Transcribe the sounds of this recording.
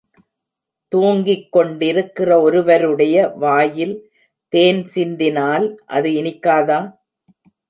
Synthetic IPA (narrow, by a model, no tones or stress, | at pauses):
t̪uːŋɡɪkːɔɳɖɪɾɯkːɪrɐɔɾɯʋɐɾɯɽɐjɐʋaːjɪl | t̪eːnsɪnd̪ɪnaːlʔɐ̰ðɯɪnɪkːaːðaː